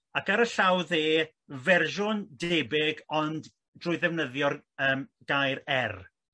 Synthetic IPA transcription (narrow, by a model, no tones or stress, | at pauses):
akaɾəɬawðeː | vɛrʒʊndebɪɡɔnd | d̥rʊɨðɛwnəðjɔrəːmɡajɾɛr